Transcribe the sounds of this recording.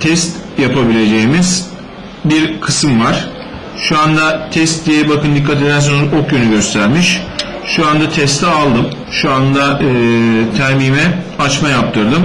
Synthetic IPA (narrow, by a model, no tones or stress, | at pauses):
t̪ʰɛst̪japʰabilʲe̞d͡ʒe̞jimiz̥ | biɾkʰɯsɯmvaɾ̥ | ʃuand̪at̪ʰɛst̪d̪ijɛbakʰɯnd̪ikʰːat̪ʰid̪æns̬onokjønyɟø̞st̪ʰæɾmiʃ | ʃuand̪at̪ʰɛst̪ʰɛalˠd̪ɯm | ʃuand̪aɯɯːt̪ʰæɾmiːmɛat͡ʃmajap̚t̪ʰɯɾd̪ɯm